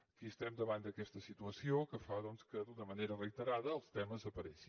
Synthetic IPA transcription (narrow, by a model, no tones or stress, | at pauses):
kiʃt̪ɛmd̪ɐβãnd̪ɐkɛst̪ɐsit̪uɐsiõkəfaðonskəðunɐmɐnejɾɐrɐit̪əɾaðɐːlˠst̪ɛmɐzɐpɐɾɛsĩ̥